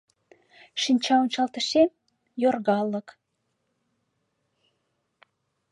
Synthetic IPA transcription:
ʃinʲt͡ɕɑunt͡ɕɑlt̪ə̆ʃem | jorɣɑlə̆k

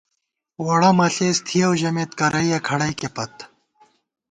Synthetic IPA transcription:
wɐɽɐmɐɬeːst̪ʰijɐwʑɐmet̪kɐɾɐjɐkʰɐɽɐjkepɐt̪

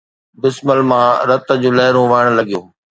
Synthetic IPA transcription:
bɪsməlmãːɾɐt̪ə̆d͡ʑũːlɐɦɪɾũːʋɐɪɽ̃lɐɡijũː

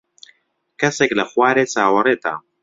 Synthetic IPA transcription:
kɐseːklɐxwaːɾeːt͡saːwɐreːt̪ʰa̰

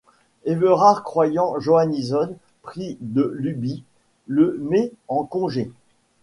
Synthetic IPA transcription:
evøʁaʁkχwajɑ̃ʒoanizɔn | pχid̪əlybi | ləmɛɑ̃kɔ̃ʒe

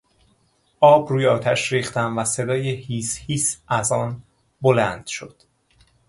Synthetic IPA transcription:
ʔɒːbruːjɒːt̪ʰæʃɾiːχt̪æmvæse̞d̪ɒːjehiːshiːsæzɒːn | bolænd̪̥ʃo̰d̪̥

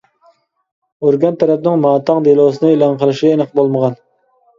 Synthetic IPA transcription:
oɾɡʲɑnt̪ʰɛɾɛpnɪŋmɑːt̪ʰɑŋd̪elˠosɨnɨelˠɑŋqʰəlˠɨʃienəqbolˠməʁɑn

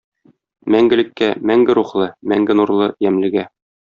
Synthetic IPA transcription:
mæŋɡɘ̆lɘ̆kːæmæŋɡɘɾuχlˠɤmæŋɡɘnuɾlˠɤjæmlɘ̆ɡæ

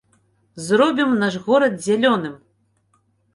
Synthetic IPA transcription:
zɾɔbʲimnaʂɣɔɾɐd̪zʲalʲɔnɨm

